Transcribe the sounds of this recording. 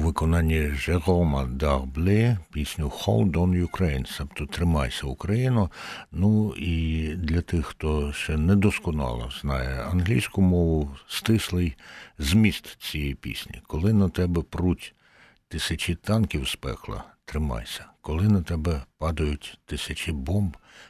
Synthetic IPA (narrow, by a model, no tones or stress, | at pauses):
ʋɪkɔnɑnʲːiʒeɣɔmɐd̪ɑɣblʲɪpʲisʲnʲʊxɔ̰lˠd̪ɔnjʊkɾejnsɛpt̪ɔt̪ɾɪmɑjsʲɐʊkɾɐjinʊnuid̪lʲɐt̪ɪxːt̪ɔʃt͡ʃɛnɛd̪ɔskɔnɑ̰lˠɔ̰z̥nɑjɛɐnɦlʲḭjsʲkʊmɔʋʊst̪ɪslˠɪjzʲmʲist̪t͡sʲijipʲḭsʲnʲḭkɔlˠɪnɐt̪ɛbɛpɾutʲ | t̪ɪsʲɐt͡ʃit̪ɑnkʲiwspɛ̰xlˠɐ̰t̪ɾɪmɑ̰jsʲɐ̥kɔlˠɪnɐt̪ɛbɛpɑd̪ɐjʊtʲt̪ɪsʲɐt͡ʃʲibɔmb